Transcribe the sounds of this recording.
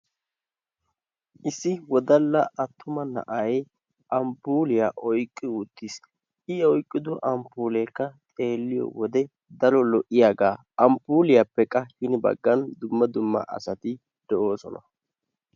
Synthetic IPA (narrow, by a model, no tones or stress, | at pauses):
ʔɪsːɪwɔd̪ɐlːɐɐt̪ːʊmɐnɐ̰ʔɐj | ʔɐmpuːlɪjaʔɔjkʼːɪʊt̪ːɪs | ʔɪɔjkʼːɪd̪ʊʔɐmpuːlɛkːɐt̪ʼe̞ːlːɪjɔ̰wɔd̪ɛ | d̪ɐɾɔlɔʔɪjaːɡaː | ɐmpuːlɪjapːɛkʼːɐhɪnɪbɐ̰ɡːɐnd̪ʊmːɐd̪ʊmːɐ̰ʔɐ̰sɐt̪ɪ | d̪̥ɛʔo̞ːsɔnɐ